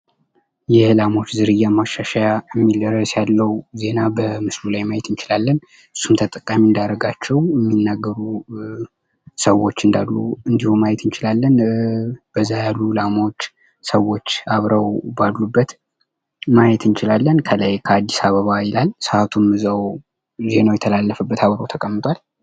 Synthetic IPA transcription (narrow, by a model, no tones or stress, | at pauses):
jɛhɨlamo̞t͡ʃːzɨɾɨjːamaʃaʃajaɛmːiləɾːəsjalːəwze̞nabəmɨslulajmajɛt̪ɨnt͡ʃɪlalːən | ɨsːumt̪ʰət̪ʼəkʼːamiɨnd̪aɾəɡat͡ʃːɛwjɛmːinːaɡːəɾu | səwo̞t͡ʃːɨnd̪alːuɨnd̪ihumajɛt̪ʰɨnt͡ʃɪlalːən | b̥əzːajalːulamawot͡ʃː | səwo̞t͡ʃːaβɾəwbalːubːət̪ | majɛt̪ɨnt͡ʃɪlalːənkʰəlajkʰəad̪ːisaβəβajɪlalsəat̪ʰumːɨzaw | ze̞nawjɛt̪ʰəlalːəfəbːət̪aβɾəwt̪ʰəkʼəmːɨt̪ʼwal